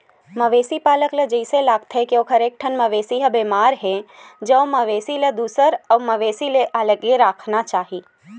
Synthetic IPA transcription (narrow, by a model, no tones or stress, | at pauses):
məʋeːsipaːləkled͡ʒɐɪselaːɡ̚t̪ɦɛkioːkʰəɾeːk̚ʈʰənmɐʋeːsiɦɐbeːmaːɾɦɛ̃d͡ʒəʋməʋeːsiled̪uːsəɾəːməʋeːsileʔaləɡeɾaːkʰnat͡ʃaːɦiː